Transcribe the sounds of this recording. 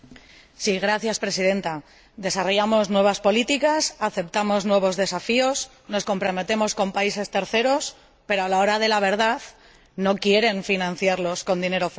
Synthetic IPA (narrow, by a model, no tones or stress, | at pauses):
siɣɾaθjaspɾe̞siðe̞nt̪a | ðe̞saro̞ʝamo̞znwe̞β̞aspo̞lit̪ikasaθe̞p̚t̪amo̞znwe̞β̞o̞zðe̞safio̞s | no̞sko̞mpɾo̞me̞t̪e̞mo̞sko̞mpaise̞st̪e̞ɾθe̞ɾos | pe̞ɾoalao̞ɾað̞e̞laβ̞e̞ɾð̞að | no̞kje̞ɾe̞ɱfinãn̟θjaɾlo̞sko̞nd̪ine̞ɾo̞f